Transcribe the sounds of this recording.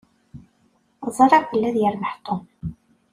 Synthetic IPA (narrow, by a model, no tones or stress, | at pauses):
zˤɑɾˤɑbəlːæðjəɾməħt̪ˤːom